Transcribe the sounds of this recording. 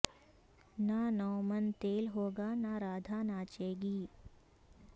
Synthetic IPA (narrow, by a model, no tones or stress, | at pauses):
nanɔːmənt̪eːlɦoːɡanaɾaːd̪ʱanat͡ʃeːɡiː